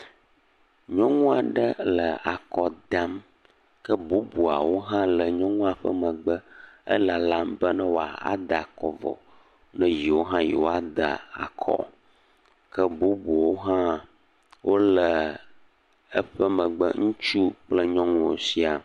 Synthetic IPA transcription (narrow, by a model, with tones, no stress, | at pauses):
ɲɔ̃˦ŋũ˦a˨ɖə˦lə˨a˨kɔ˨d̪a˦m | kə˦bu˦bu˨a̰˨wo˦ɦã˦lə˨ɲɔ̃˦ŋũ˦a˨ɸə̰˦mə̃˨ɡ͡bə˦ə̰˦la˨la˦mbə˦nə̃˦wo˨a̰˨a̰˦d̪a˨kɔ˨vɔ̰˨ | nɛ̃˦ji˨wo˦ɦã˦ji˨wo˦a˦d̪ə˨a̰˨kʰɔ̰˦ | kə˦bu˦bu˨wo˦ɦã˦ | wʔo˦lə˨ | ə˦ɸə˦mə̃˨ɡ͡bə̰˦ŋũ˦t͡ʃu˦k͡plə˦ɲɔ̃˦ŋũ˦wo˨si˦a˨